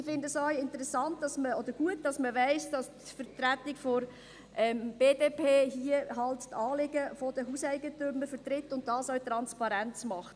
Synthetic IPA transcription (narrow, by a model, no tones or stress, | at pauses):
ɪfɪndəsœɥɪntəɾɛsɑnt̚d̥ɑsməɔd̥̪əɾɡ̥uət̚dɑsməʋɛɪsd̥ɑstfəɾt̪ɾætɪkfɔɾ | ʔɛmb̥eːdeːpʰeːɦiəɦɑlttɑːlɪɡəfɔd̥əɦusɛɪɡətʏməɾfət̪ɾɪtːʊnt̚d̥ɑːsœʊt̪ɾɑnspɑɾænt͡smɑχt